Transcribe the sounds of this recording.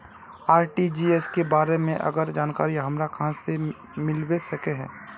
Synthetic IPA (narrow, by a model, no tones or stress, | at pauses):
aːɾʈid͡ʒiːɛskebaːɾemẽʔɐ̰ɡəɾd͡ʒaːnkaːɾiɦɐmɾakɐɦãse | mɪlwesɐkeɦɛ̰̃ː